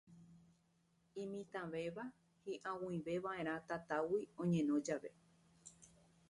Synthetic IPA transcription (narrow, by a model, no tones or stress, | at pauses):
ĩmĩt̪ãʋe̞ʋa | hĩʔãwũĩʋe̞ʋaʔẽ̞ɾ̃ãt̪at̪awiõ̞ɲẽ̞nõ̞d͡ʒaʋe̞